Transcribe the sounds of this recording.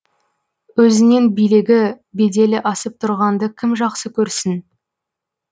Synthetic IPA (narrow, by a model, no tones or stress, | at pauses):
wɵzɪne̞nbijlɪɡʲɪ | be̞d̪e̞lɪʔɑsəp̚t̪ʰʊɾʁɑnd̪əkʲʰɪmʒɑqsəkʲʰɵɾsɪn